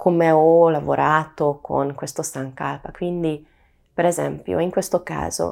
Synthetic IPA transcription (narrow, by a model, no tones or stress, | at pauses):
kʰomeɔlavoɾʔaːt̪okʰo̰nkwest̪osaŋkaːpakwind̪i | peɾezɛ̰mpjo̰iŋkwest̪oka̰ːzo̰